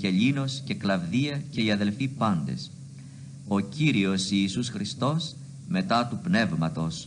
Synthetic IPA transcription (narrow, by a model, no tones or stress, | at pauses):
ce̞ʎino̞sce̞klɐvðiɐce̞iɐðe̞lfipɐnd̪e̞̰s | o̞ciɾio̞siːsusxɾist̪o̞s | me̞t̪ɐt̪upne̞vmɐt̪o̞s